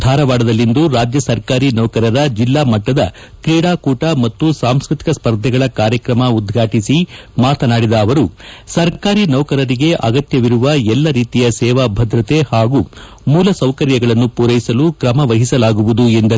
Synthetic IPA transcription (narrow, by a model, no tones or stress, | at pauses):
d̪ʱaːɾɐʋaːɖɐd̪ɐlːind̪uɾaːd͡ʒjɐsɐɾkaːɾinɐwkɐɾɐɾɐd͡ʒilːaːmɐʈːɐd̪ɐ | kɾiːɽaːkuːʈɐmɐt̪ːusaːmskɾit̪i̥kɐspɐɾd̪ʱjɐɡɐɭɐkaːɾjɐkɾɐmɐud̪ɡʱaːʈisimaːt̪ʰɐnaːɽid̪ɐːʋɐɾusɐɾkaːɾinɐwkɐɾɐɾiɡe̞ʔɐ̰ɡɐt̪jɐʋiɾuʋɐɛlːɐɾiːt̪ijɐsɛːʋaːbʱɐd̪ɾɐt̪e̞haːɡu | muːlɐsɐwkɐɾjɐɡɐɭɐnːupuːɾɐjisɐlukɾɐmɐʋɐɦisɐlaːɡuʋud̪uend̪ɐ